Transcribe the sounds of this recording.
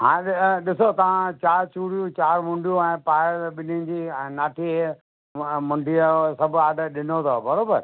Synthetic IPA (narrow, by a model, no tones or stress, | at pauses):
ɦãːɗɪɗɪsot̪ɐʋ̤ãt͡ɕaːɾt͡ɕuːɽijũt͡ɕaːɾmʊ̃ɳɖijũɛ̃ːpaːɪɾɓɪnɪʊ̃d͡ʑiːnaːʈʰiː | mʊ̃ɳɖʱiasɐbʱʊaːɖɗɪnot̪ʰobɐɾoːbəɾ